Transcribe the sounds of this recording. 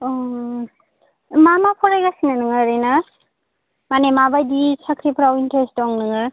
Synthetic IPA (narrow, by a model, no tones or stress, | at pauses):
ɔ | mamapʰɔɾajɡasinanɯŋɯɾina | manemabajdisakʰɾipʰɾawintʰestɔŋnɯŋɯɾ